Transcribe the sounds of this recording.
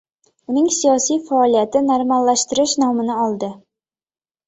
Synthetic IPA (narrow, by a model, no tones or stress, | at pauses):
ʊnɪŋsijɒsijfaːlˠijat̪ɪnaɾmalːaʃt̪ɪɾɪʃnɒmɪnɪɒlˠd̪ɪ